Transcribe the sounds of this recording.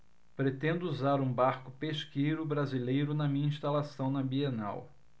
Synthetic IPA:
pɾet̪ẽnd̪ʊuzaɾũbaɾkʊpeʃkejɾʊbɾazilejɾʊnɐmĩɲɐĩʃt̪alasɐ̃w̃nɐbiena̰w

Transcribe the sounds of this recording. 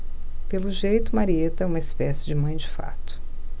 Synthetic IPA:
pelʊʒejt̪ʊmaɾiet̪ɐũmɐispɛsɪd͡ʒɪmɐ̃j̃d͡ʒɪfa̰t̪ʊ̥

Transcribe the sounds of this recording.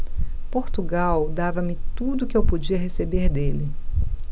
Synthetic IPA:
poɾt̪uɡawd̪avɐmɪt̪ud̪ʊkɪewpod͡ʒiɐɦesebeɾd̪elɪ

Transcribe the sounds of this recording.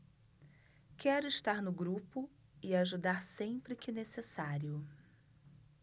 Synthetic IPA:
kɛɾʊɪʃt̪aɾnʊɡɾupʊ | ɪaʒud̪aɾsẽpɾɪkɪnesesaɾjʊ

